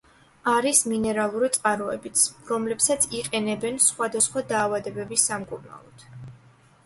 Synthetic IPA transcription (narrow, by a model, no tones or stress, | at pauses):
aɾisminɛɾalˠuɾit̪sʼqʼaɾɔɛ̰bit̪sʰɾɔmlɛpsat̪sʰiqʼɛnɛbɛnsχwad̪asχwad̪aːvad̪ɛbɛbisamkʼuɾna̰lˠɔt̪ʰ